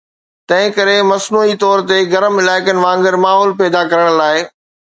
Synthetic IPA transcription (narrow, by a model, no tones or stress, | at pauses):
t̪ɐ̃ɦɪ̃kɐɾemɐsnuːit̪ɔːɾt̪eɡɐɾəmɪlaːɪkənɪ̆ʋãːŋɡəɾmaːɦɔːlpɛːd̪akɐɾəɽ̃laːɪ